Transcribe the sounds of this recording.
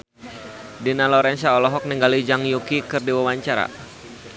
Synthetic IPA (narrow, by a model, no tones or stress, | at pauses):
dinalɔɾɛnsaɔlɔɦɔk̚niŋɡalid͡ʒaŋjukikɨrdiwawaɲt͡ʃaɾa̰